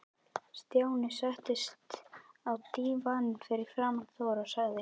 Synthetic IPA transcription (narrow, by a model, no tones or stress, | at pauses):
st̪jaːwnɪsaht̪ɪst̪awt̪iːvanfɪɾɪɾ̥fɾaːmaθoːwɾasaɣðɪ